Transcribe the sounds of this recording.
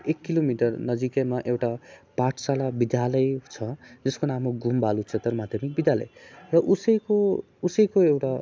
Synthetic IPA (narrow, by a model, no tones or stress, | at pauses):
ekːilomiʈʌrnʌd͡zikemaʔewʈapaʈʰsalabid̪jalʌjt͡sʰʌd͡zʌskonamoɡʱumbalut͡sʰet̪ʌrmad̪ʱjʌmik̚bid̪jalʌ̰jrʌʔusʌjko | usʌjkoewʈa